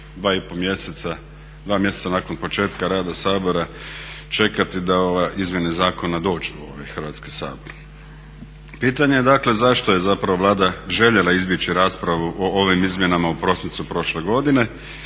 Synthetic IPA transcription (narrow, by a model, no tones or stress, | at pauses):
d̪ʋaːipo̞mjesesa | d̪ʋaːmje̞set̪sanako̞npo̞t͡ʃe̞ːt̪kaɾaːd̪asaːbo̞ɾa | t͡ʃe̞kat̪id̪aoʋeizmje̞nezaːko̞nad̪o̞ːd͡ʒuo̰ʋa̰jxr̩ʋat̪skisa̰ːbo̞ɾ | piːt̪aɲe̞jed̪akle̞zaʃt̪o̞je̞zapɾaʋo̞ʋlˠaːd̪aʒe̞ʎe̞laizbje̞t͡ʃiɾaːspɾaʋuʔoʔo̞ʋimizmje̞namaupɾo̞sint̪supɾo̞ʃle̞ɡo̞d̪ine̞